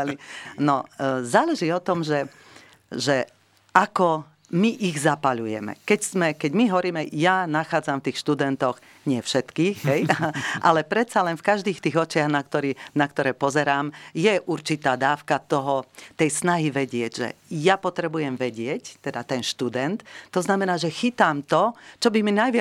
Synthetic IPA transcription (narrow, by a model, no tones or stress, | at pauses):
linɔzaːlɛʒiːɔt̪ɔmʒɛ | ʒɛ | ʔakɔ | miʔiɣzapaʎujɛ̰mɛ̰kɛcsmɛkɛɟmiɦɔɾiːmɛjanaxaːd͡zamft̪iːxʃt̪ud̪ɛnt̪ɔɣ | ɲɪɛfʃɛt̪kiːxɦɛjʔa̰lɛpɾɛt̪salɛnfkaʒd̪iːxt̪iːɣɔt͡ʃɪaɣnakt̪ɔɾiːnakt̪ɔɾɛːpɔzɛɾaːmjɛʔuɾt͡ʃit̪aːd̪aːʊkat̪ɔɦɔt̪ɛjsnaɦiʋɛɟɪɛɟʒɛ̰japɔt̪ɾɛbujɛmʋɛɟɪɛct̪ɛd̪at̪ɛnʃt̪ud̪ɛnt̪tːɔznamɛnaːʒɛxit̪amt̪ɔt͡ʃɔbiminajʋɪ